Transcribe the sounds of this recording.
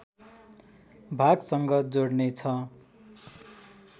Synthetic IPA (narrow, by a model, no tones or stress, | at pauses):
bʱaɡsʌŋɡʌd͡zoɽnet͡sʰʌ